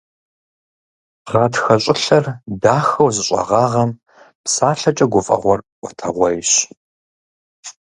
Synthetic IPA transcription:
ʁɑːtxɐɕʼɪɬɐrdaːxɐwzɨɕʼɐ̰ʁɑːʁɐm | psaːɬɐt͡ʃʼɐɡʷʊfʼɐ̰ʁʷɔrʔʷɔtʰɐ̰ʁʷɔjɕ

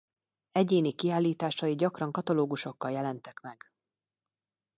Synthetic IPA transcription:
ɛɟeːnikiaːlːiːt̪aːʃɒjiɟɒkrɒŋkɒt̪ɒloːɡuʃo̞kːɒljɛlɛnt̪ɛkmɛɡ̥

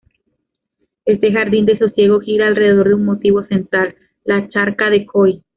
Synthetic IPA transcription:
e̞st̪e̞xaɾðind̪e̞so̞sje̞ɣ̞o̞xiɾaːlre̞ðeðo̞ɾðeunmo̞t̪iβo̞se̞nt̪ɾalː | at͡ʃaɾkaðe̞kʰoj

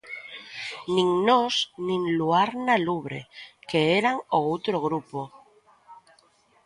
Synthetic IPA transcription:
nĩŋnosnĩŋluaɾnaluβɾḛkeeɾaŋoowt̪ɾoɣ̞ɾupo

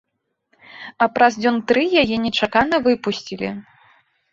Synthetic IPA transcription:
ɐpɾɐzd͡zʲɔnt̪ɾɨjajɛnʲɛt͡ʂakanɐvɨpusʲt͡sʲilʲḭ

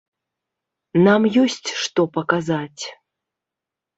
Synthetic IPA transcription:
namjɔsʲt͡sʲʂt̪ɔpɐkazat͡sʲ

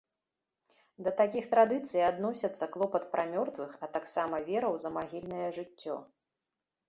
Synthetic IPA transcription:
d̪ɐt̪akʲixt̪ɾad̪ɨt̪sɨjad̪nɔsʲɐt̪sːɐklˠɔpɐt̪pɾʔamʲɔrt̪vɨxɐt̪aksamɐvʲɛɾɐwzɐmaɣʲilʲnɐjɐʐɨt͡sʲːɔ̰

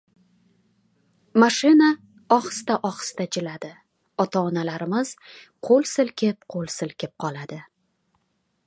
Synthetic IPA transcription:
maʃɪna | ɒχst̪aʔɒχst̪ad͡ʒɪlad̪ɪ | ɒt̪ʰaːnalaɾɪmɪz̥ | qʰolˠsɪlkʲʰɪp̚qʰolˠsɪlkʲɪp̚qʰɒlˠad̪ɪ

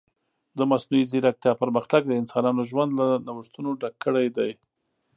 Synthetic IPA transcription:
d̪əmasnuiziɾak̚t̪jɑpəɾməxt̪aɡ̚d̪əɪnsɑnɑnoʒwand̪lanawəʂt̪unoɖakːəɽajd̪aj

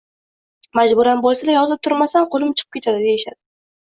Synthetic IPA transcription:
mad͡ʒbʊɾanbɒlˠsad̪ajɒzɪp̚t̪ʰʊɾmasanqʰolˠɪmt͡ʃʰɨqʰɨ̥pkʲet̪ʰad̪ɪd̪e̞jɪʃa̰d̪̥ɪ

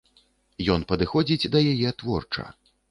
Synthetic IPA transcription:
jɔnpɐd̪ɨxɔd͡zʲid͡zʲd̪ɐjajɛt̪vɔrt͡ʂɐ̰

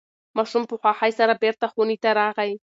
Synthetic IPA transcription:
maʂumpuχʷaχajsaɾabeɾt̪aχunit̪aɾaʁaj

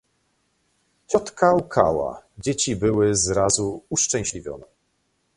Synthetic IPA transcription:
t͡ɕɔt̪kaukʰa̰wa̰d͡ʑet͡ɕibɘwɘzɾazuuʂt͡ʂɛ̃w̃ɕlʲivʲjɔ̰nɛ

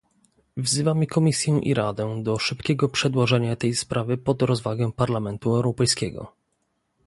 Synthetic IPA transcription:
vzɘvamɘkɔmʲisʲjɛʔḭɾad̪ɛd̪ɔʂɘpkʲɛɡɔpʂɛd̪wɔʐɛɲat̪ɛjspɾʔavɘpɔd̪ɾɔzvaɡɛ̃paɾlamɛnt̪uɛwɾɔpɛjskʲɛɡɔ̰

